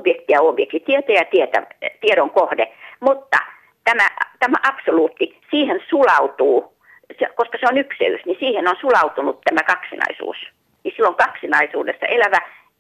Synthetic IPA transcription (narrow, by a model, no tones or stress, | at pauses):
b̥jekt̪iɑobjekt̪it̪iet̪æjɑt̪iet̪æ̰t̪ieɾoŋkohdemut̪ːɑ̰ | t̪æmæt̪æmæ̰ʔɑpsoluːt̪ːi | siːhensulɑut̪uː | sekoskɑseonyksḛy̰snisiːhenonsulɑut̪unut̪t̪æmækɑksinɑ̰isṵːs | nisilːoŋkɑksinɑisuːdesːɑ̰ʔelæʋæ